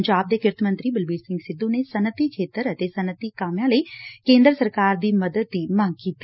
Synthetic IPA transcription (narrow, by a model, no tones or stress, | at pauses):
ɲd͡ʒaːb̚d̪eːkɪɾt̪mə̃nt̪ɾiːbɪlbiːɾsɪ̃ŋɡsɪd̪ːũːneːsənət̪iːkʰeːt̪əɾət̪eːsənət̪iːkaːmjãːləiːkẽːnd̪ɾəsəɾkaːɾd̪iːməd̪əd̪ːiːmãŋɡ̚kiːt̪iː